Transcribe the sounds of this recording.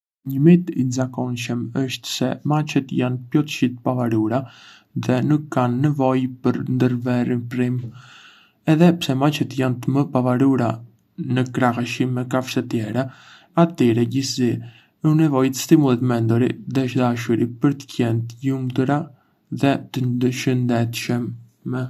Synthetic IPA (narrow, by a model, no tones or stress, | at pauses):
ɲəmit̪inzakɔnʃəməʃt̪sɛ̰mat͡ʃət̪janpjɔt̪ə̥ʃit̪pavaɾuɾa | ðɛnukʰːanːɛvɔjpəɾnd̪əɾvɛrinpɾim | ɛðɛpsɛmat͡ʃət̪jant̪əməpavaɾuɾa | nəkɾahaʃimːɛkafsɛt̪jɛɾɛ | at̪ɛɾɛɟisi | unɛvɔjt̪ə̥st̪imulˠit̪mɛnd̪ɔɾḭd̪ɛʃd̪aʃuɾipəɾt̪ə̥cɛnt̪əjumd̪ɾa | ðɛt̪əd̪əʃənd̪ɛt̪ʃəmː | ɛ